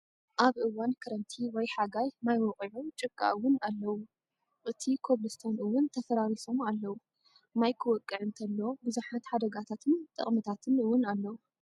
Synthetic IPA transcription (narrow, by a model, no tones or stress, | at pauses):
ʔaβʔɨwankʰɐɾɐnt̪ʰiwɔjħaɡajmajwɔqʼʕut͡ʃʼɨɡʼa̰wːʊnalːɐwu | ʔɨt̪ʰikʰo̞βlɨst̪ʰonɨwʊnt̪ʰɐfɐɾaɾiso̞malːɐwu | majkʰɨwɔkʼːɨʕɨnt̪ʰɐlːo̞bɨzuħat̪ħad̪ɐɡat̪ʰat̪ʰɨnt̪ʼɨ̰χʼmɨt̪ʰat̪ʰɨnɨwʊnalːɐwu